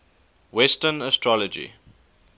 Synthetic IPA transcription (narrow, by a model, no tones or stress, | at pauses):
wɛstənəstɹɔləd͡ʒḭ